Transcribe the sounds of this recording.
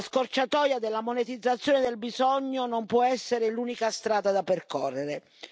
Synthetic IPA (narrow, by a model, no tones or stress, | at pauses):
skort͡ʃat̪ɔːjad̪elːamonet̪id̪zːat̪sːjoːned̪elbizɔɲːonompwɔɛsːeɾɪluːnikast̪ɾaːd̪ad̪aperkɔrːeɾe